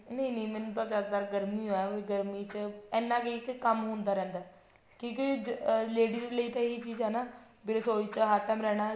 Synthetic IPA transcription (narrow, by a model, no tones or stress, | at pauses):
nə̃ĩnĩːmɛnpəsakd̪aːɾɡəɾmiːɦoːɛːoːɡəɾmiːt͡ʃɛːnːãːkeikkəmɦõːnd̪aːɾɛ̃ːnd̪aː | kĩːk̬ileːɖiːɾeləiːt̪ãiːt͡ʃiːd͡ʒɦɛːnaː | bɪɾsoːit͡ʃɦaːʈ̪ːɛ̃ːmɾɛːɽ̃aː